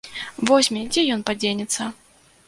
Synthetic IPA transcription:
vɔsʲmʲɛd͡zʲɛjɔnpad͡zʲenʲɛt̪sːɐ

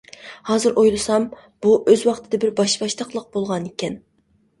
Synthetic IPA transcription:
hɑːzɨɾʔojlˠɨsɑm | b̥uʔøzwɑχt̪ʰɨd̪ɨbɪɾbɑʃbɑʃt̪əqlˠəq̚b̥olˠʁɑnekʲɛn

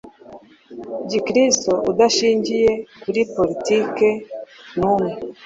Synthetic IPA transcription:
ɟikɾistoʔudaʃiːɲɟije̞kuɾipolitikenume

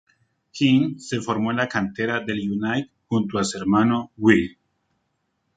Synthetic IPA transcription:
kiŋsefo̞ɾmoenlakant̪eɾaðe̞ljunajk̚ | xunt̪oaseɾmanowwi

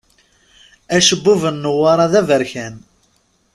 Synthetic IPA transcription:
æʃəbːuvənːəwːɑɾˤɑðævəɾçæn

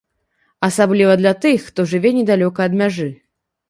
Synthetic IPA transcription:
ɐsablʲivɐd̪lʲat̪ɨxːt̪ɔʐɨvʲɛnʲɛd̪alʲɔkɐːd̪mʲaʐɨ

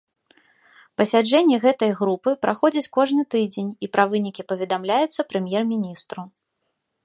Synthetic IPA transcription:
pɐsʲad͡ʐɛnʲːɛɣɛt̪ɐjɣɾupɨpɾʔaxɔd͡zʲit͡sʲkɔʐnɨt̪ɨd͡zʲenʲipɾavɨnʲikʲipɐvʲɛd̪amlʲajɛt̪sːɐpɾɨmʲjɛrmʲinʲist̪ɾu

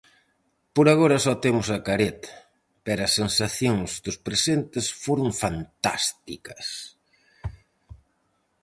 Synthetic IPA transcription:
poɾaɣoɾɐsɔt̪emʊsɐkaɾet̪ɐ̥ | pɛɾɐsːensaθjoŋzd̪ʊspɾesent̪ɪsfoɾʊŋfant̪a̰st̪ḭkɐs

